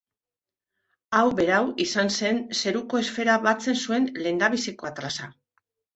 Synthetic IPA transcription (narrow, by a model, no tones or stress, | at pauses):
awbe̞ɾawisanse̞nse̞ɾuko̞e̞sfe̞ɾaβat͡se̞nsue̞nle̞nd̪aβisiko̞at̪ɾasa